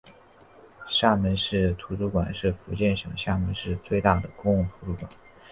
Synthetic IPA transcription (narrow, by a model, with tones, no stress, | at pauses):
ɕja˥˩mə˧nʂɻ̩˥˩t̪ʰu˧˥ʈ͡ʂu˥˩kwa˨˩nʂɻ̩˥˩fu˧˥t͡ɕjɛ˥˩nʂɤ˨˩ŋɕja˥˩mə˧nʂɻ̩˥˧t͡swe˥˧ɪt̪a˥˩d̪ə˩kʊ˥ŋʊ˥˩ŋt̪ʰu˧˥ʈ͡ʂu˥˩kwa˨˩n